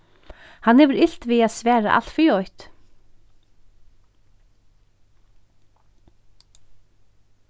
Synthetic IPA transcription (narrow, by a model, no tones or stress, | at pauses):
hanːɛːvəɾɪl̥t̪viːaðsvɛːɾa̰ʔa̰l̥t̪fiːɔjht̪